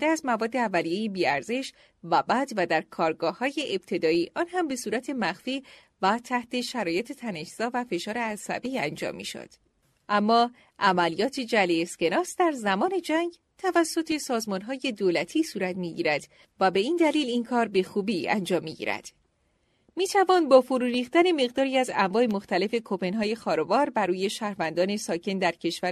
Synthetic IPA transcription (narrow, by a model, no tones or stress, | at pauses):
d̪eæzmævɒːd̪ːeævːælije̞jebiːæɾze̞ʃ | væbæd̪væd̪æɾkʰɒːɾɡɒːhɒːje̞ʔeb̥̚t̪ʰe̞d̪ɒːiːʔɒːnɦæmbe̞suːɾæt̪ʰe̞mæxfiː | væt̪ʰæht̪ʰe̞ʃæɾɒːje̞t̪ʰe̞t̪ʰæne̞ʃz̥ɒːvæfe̞ʃɒːɾeæsæ̰biænd͡ʒɒ̰mːḭːʃo̰d̪̥ | ʔæmːɒː | ʔæmælijɒːt̪ʰed͡ʒælesce̞nɒːsd̪æɾzæmɒːne̞d͡ʒæŋɟ | t̪ʰævæsːo̞t̪ʰe̞sɒːzmɒnɦɒːje̞d̪oːlæt̪ʰiːsuːɾæt̪miːɟḭːɾæd̪̥ | væbe̞iːnd̪æliːlinkʰɒːɾbe̞xuːbiːæ̰nd͡ʒɒːmːḭɟḭːɾæ̰d̪̥ | miːt̪ʰævɒnbɒːfoɾuːɾiːxt̪æne̞me̞ɣd̪ɒːɾiːæzæmvɒːemoxt̪ʰæle̞fe̞kʰope̞nɦɒːje̞xɒːɾɒvɒːɾbæɾuːje̞ʃæːhɾvænd̪ɒːne̞sɒːcʰe̞nd̪æɾcʰe̞ʃvæ